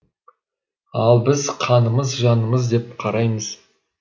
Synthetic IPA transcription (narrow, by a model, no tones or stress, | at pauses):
ɑlˠbɪzqʰɑnəməzʒɑnəməzd̪e̞p̚qʰɑɾɑjməz̥